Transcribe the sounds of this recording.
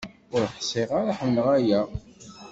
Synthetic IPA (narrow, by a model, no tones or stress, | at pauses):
ʊɾħsˤeʁaɾaħəmnəʁæjæ